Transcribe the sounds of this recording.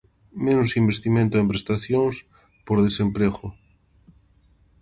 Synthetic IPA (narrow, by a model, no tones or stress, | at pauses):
menʊsimbest̪imẽnt̪oempɾest̪aθjõŋs | poɾð̞esempɾeɣo